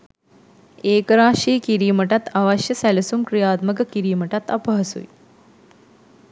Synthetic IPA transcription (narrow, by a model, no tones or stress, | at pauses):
eːkəɾaːʂiːkiɾiːməʈat̪aʋɐʃjəsælɐsumkɾijaːt̪məkəkiɾiːməʈat̪ɐpəɦɐsṵj